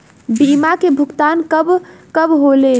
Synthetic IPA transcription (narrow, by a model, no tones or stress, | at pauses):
bimakebʱukt̪ankəbkəbɦole